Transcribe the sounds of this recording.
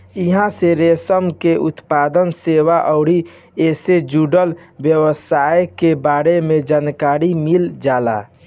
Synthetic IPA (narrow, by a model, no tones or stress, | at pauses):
iɦãseɾesəmkeʔut̪pad̪ənseʋaʔɔʊɾi | esed͡ʒuɖəlbjəwəsajkebaɾemed͡ʒaːnkaɾimild͡ʒala̰